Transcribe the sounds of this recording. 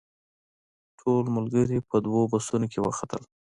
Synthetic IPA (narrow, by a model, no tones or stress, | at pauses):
ʈʰolmʊlɡəɾipəd̪wobasunokʰewə̰xat̪ə̰l